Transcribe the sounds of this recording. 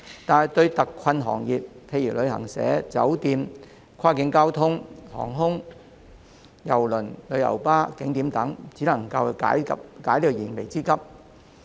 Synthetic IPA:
t̪aː˨nɦɐ˨˩jt̪ɵ˧ɥt̪ɐ˨kʰɐ˧nɦɔ̰ː˨˩ŋjiː˨t̚pʰe˧jiː˨˩lɵ˨˧ɥɦɐ̰˨˩ŋsɛ̰ː˨˥t͡sɐ̰˨˥wt̪iː˧m | kʰaː˥kɪ˨˧ŋkaː˥wt̪ʰʊ˥ŋhɔ̰ː˨˩ŋɦʊ˥ŋ | jɐ˨˩wlɵ˨˩nlɵ˨˧ɥjɐ̰˨˩wpaː˥kɪ˨˥ŋt̪iː˨˥mt̪ɐ˨˥ŋt͡siː˨˥lɐ˨˩ŋkɐ˧wkaː˨˥jkɐ˥p̚kaː˨˥jliː˥kɔ˧jiː˨˩nme˨˩jt͡siː˥kɐ˥p̚

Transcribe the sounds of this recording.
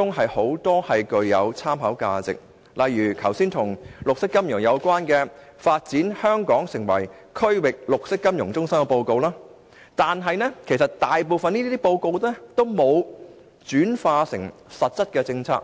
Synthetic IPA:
ʊ˥ŋɦɐ˨jho˨˥wt̪ɔː˥hɐ˨jkɵ˧ɥjɐ˨˧wt͡sʰaː˥mɦɐ˨˥wka̰ː˧t͡sɪ̰˨k̚ | lɐ˨jːyː˨˩kʰɐ˨˩wsiː˥nt̪ʰʊ˨˩ŋlʊ˨k̚sɪ˥kːɐ˥mjʊ˨˩ŋjɐ˨˧wkʷwaː˥nkɛː˧ | faː˧t̚t͡siː˨˥nhœː˥ŋkɔː˨˥ŋsɪ˨˩ŋwɐ̰˨˩jkʰɵ˥ɥwɪ˨k̚lʊ˨k̚sɪ˥kːɐ˥mjʊ˨˩ŋt͡sʊ˥ŋsɐ˥ŋkɛ˧po˧wko˧wlaː˥ | t̪aː˨nɦɐ˨˧jnɛː˥kʰe˨˩jsɐ˨tt̪aː˨jpo˨wfɐ˨˧niː˥t̪iː˥iː˥po˧wko˧wɛː˥t̪o˥wmo˨˧w | t͡ʃyː˨˥nfaː˧sɪ˨˩ŋsɐ˨t̚t͡sɐ˥t̚kɛː˧t͡sɪ˧ŋt͡sʰa̰ː˧˥k̚

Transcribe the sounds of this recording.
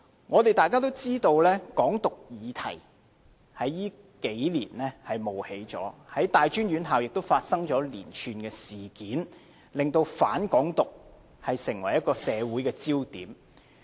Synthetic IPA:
ŋɔː˨˧t̪e˨jt̪aː˨˩jkaː˥t̪̬o˥wt͡siː˥t̪o˧wlɛː˥kɔː˨˥ŋt̪ʊ˨k̚jiː˨˧t̪ʰɐ˨˩j | hɐ˨˥jːiː˥ | ke˨˥jlḭː˨˩nlɛː˥hɐ˨jmo˨˩whe˨˥jt͡sɔ̰ː˨˥hɐ˨˥jt̪aː˨jt͡ʃyː˥njɥyː˨˧nɦa˨wjɪ˨k̚t̪o˥wfaː˧t̚sɐ˥ŋt͡ʃɔː˨˥liː˨˩nt͡ʃʰyː˨˧nkɛː˧siː˨kiː˨˥n | lɪ˨ŋt̪o˧wfaː˨˥nkɔː˨˥ŋt̪ʊ˨k̚ | hɐ˨jsɪ˨˩ŋwɐ˨˩jɐ˥tkɔː˧sɛː˨˧wuː˨˥jkɛː˧t͡siː˥wt̪iː˨˥m

